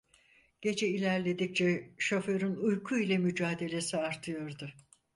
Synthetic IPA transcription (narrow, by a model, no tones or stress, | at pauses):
ɟ̥e̞d͡ʒɛilʲæɾlʲe̞d̪ic̚t͡ʃʰɛʃofø̞ɾynujkʰuilʲɛmyd͡ʒaːd̪e̞lʲe̞siaɾt̪ʰɯjo̞ɾd̪ʊ